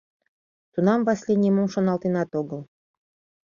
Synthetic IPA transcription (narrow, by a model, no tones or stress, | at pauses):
t̪unɑmvɑsʲlʲenʲemomʃŏnɑlˠt̪enɑt̪oɣɤlˠ